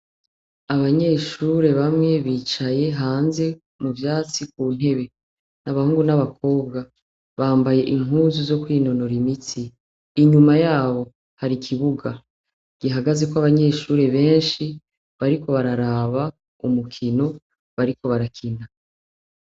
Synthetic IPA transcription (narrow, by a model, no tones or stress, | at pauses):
aβaɲe̞ːʃuːɾe̞βamŋe̞βiːt͡ʃaje̞ɦaːnze̞ | muvjaːt͡sikuːn̥e̞βe̞ | naβahuːŋɡunaβakʰo̞ːbɡa | βaːmbaje̞ʔiŋɦuːzuzo̞kwiːno̞no̞ɾimit͡siː | ɲumajaːβo̞ | haɾikʰiβuɡa | ɡ̥iɦaɡaze̞kwaβaɲe̞ːʃuːɾe̞βe̞ːnʃi | βaɾiko̞βaɾaɾaβa | umukʰino̞ | βaɾiko̞βaɾakʰina